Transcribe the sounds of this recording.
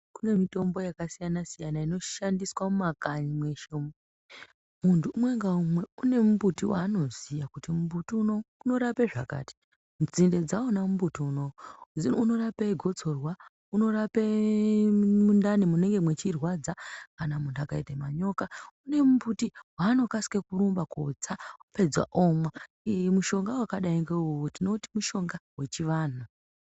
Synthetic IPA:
kune̞mito̞mbo̞jakasijanasijanaino̞ʃandiswamumakaɲimwe̞ʃomu | muntʰuːmwe̞ŋɡaumwe̞une̞mubutiwaːno̞zijakutimubutiunouno̞ɾapeʐa̰ka̰ːti̥ | md͡zinde̞d͡zaonamumbutiuno | uno̞ɾapaiɡʱo̞t͡so̞rwa | uno̞ɾape | mundanimune̞ŋɡe̞mwe̞t͡ʃirwad͡zakanamundakaitemaɲo̞kaune̞mubutiwaːno̞kasi̥kekuɾumbako̰d͡zaupe̞d͡zwa̰ʔomwa | muʃo̞ŋɡawakaɗaiŋɡeuwotino̞timuʃo̞ŋɡawe̞t͡ʃiʋaːna

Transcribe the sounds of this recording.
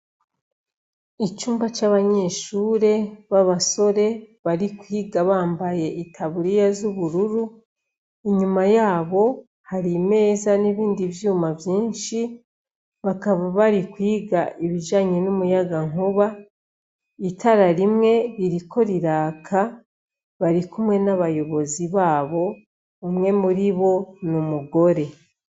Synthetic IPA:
it͡ʃuːmbat͡ʃaːβaɲe̞ʃuːɾe̞βaβaso̞ɾe̞ | βaɾikwiːɡaβaːmbaje̞ʔitʰaβuɾijazuβuɾuɾu | iɲumajaːβo̞ | haɾime̞ːzaniβiːndiβjuːmavjiːnʃi | βakaβaβaɾikwiːɡaʔiβiʒaːɲenumujaɡaŋuβa | itaɾaɾimŋe̞ɾiɾikʰo̞ɾiɾaːkʰa | βaɾikumŋe̞naβajo̞βo̞ziβaːβo̞ː | mŋe̞muɾiβo̞numuɡo̞ɾe̞

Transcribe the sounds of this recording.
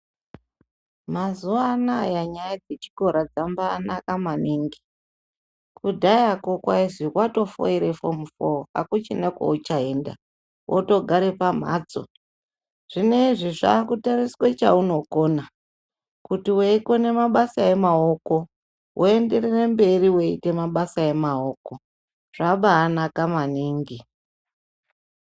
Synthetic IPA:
mazuaːnaːjaɲajad͡zet͡ʃi̥ko̞ɾad͡zambaːnakamaniːŋɡi̥ | kudʱajakokwaiʐikwato̞fo̰iɾefomufoɦa̰kut͡ʃineko̰ut͡ʃaeːnda̰ | wʔoto̞ɡʱaɾe̞pam̤a̰ːt͡so̰ | ʐ̥ine̞iʐiʐa̰ːkutariswet͡ʃa̰uno̞ko̞na | kutiweiko̞ne̞maɓasae̞mao̞ko̞ | wʔoende̞rere̞mbe̞ɾiwe̞ḭte̞maɓasae̞maoːko̞ | ʐ̥aɓaːnakamaniːŋɡi

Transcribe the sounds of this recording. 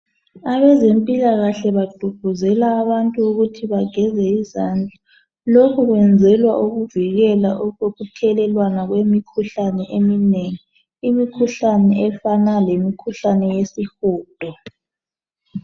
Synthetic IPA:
aβɛzempʼilaɣaɬɛβad̥ʱuɡ̥ʱuzɛlaːβantʼuːɣutʰiβaɡ̥ʱɛzɛizand͡ɮʱa | lokʰɔɣwɛnd͡zʱɛlwaʔuɣuviɣɛla̰ʔuɣoɣutʰɛlɛlwanaɣwemikʰuɬanɛʔemineŋi | imikʰuɬanɛɛfanalemikʰuɬanɛjesixuːd̥ʼʱɔ

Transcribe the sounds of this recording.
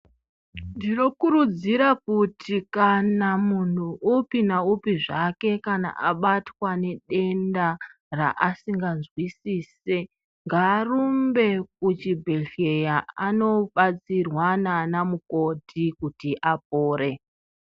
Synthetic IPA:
ndino̞kuɾud͡ziɾakutʰikanamun̤uʔupinaupiʐake̞kana̰ʔa̰ɓatwane̞ɗe̞nda | ra̰ʔasiŋɡanzwisiːse | ŋɡaːrumbe̞k̚ut͡ʃibʱeɮejaano̞ɓat͡sirwananamuko̞tʰikutiʔap̚oːɾe̞

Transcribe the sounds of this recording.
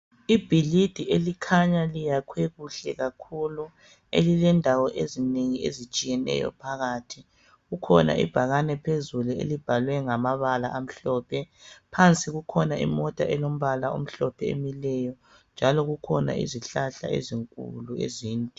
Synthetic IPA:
ib̥ʱilid̥ʱielikʰaɲalijakʰweɣuɬɛɣakʰulu | elilɛndʱawɔʔezineŋiḛzit͡ʃʼijɛnɛ̰jɔ̰pʰaɣaːtʰi | ɣukʰɔna̰ʔḭb̥ʱaɣanɛpʰezuluḛlib̥ʱalwɛŋamaβala̰ʔam̩ɬɔːpʰɛpʰant͡sʼiɣukʰɔnaḭmɔtʼa̰ʔɛlom̩βalao̰m̩ɬɔpʰɛḛmilɛjɔ | nd͡ʒʱalɔɣukʰɔna̰ʔḭziɬaɬa̰ḛziŋkʼṵluḛziːntʼi

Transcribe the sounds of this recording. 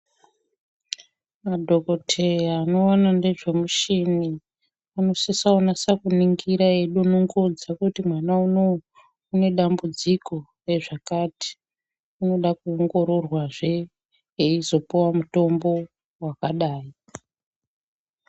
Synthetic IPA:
madʱokotʰeano̞ːnande̞ʐe̞muʃini | ano̞sisaonasakuniŋɡiɾae̞ɗuunoŋɡod͡zakutimwanauno | une̞ɗambud͡ziko̞ | re̞ʐakati̥ | uno̞ɗakuːŋɡo̞ɾo̞rwaʐe̞ | eizo̞powamuto̞mbo̞ | wakaɗaːi

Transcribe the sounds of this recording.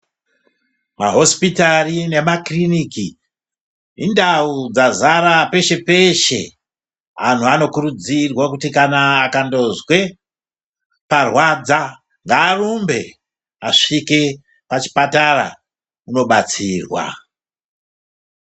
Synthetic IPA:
maɦo̞spitarine̞makriniki | indaud͡zazaɾape̞ʃe̞pe̞ʃe̞̰ | an̤uano̞kurud͡zirwakutikanaːkando̞zwe̞ | parwad͡za | ŋɡaːrumbe̞ | aʂike̞ | pat͡ʃi̥patara̰ | uno̞ɓat͡siːrwa̰

